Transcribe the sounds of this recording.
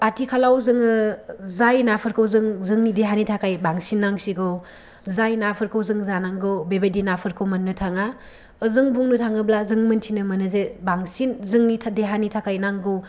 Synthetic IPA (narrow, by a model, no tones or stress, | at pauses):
patikʰalawzɯŋɯzajnapʰɯɾkʰɯwzɯŋzɯŋnideɦanitʰakajbaŋsinːaŋsiɡɯw | zajnapʰɯɾkʰɯwzɯŋzanaŋɡɯwbebedinapʰɯɾkʰɯwmɐnːɯtʰaŋa | ɯzɯŋbuŋnɯtʰaŋɯblazɯŋmɐntʰinɯmɐnɯzebaŋsinzɯŋnitʰadeɦanitʰakʰajnaŋɡɯw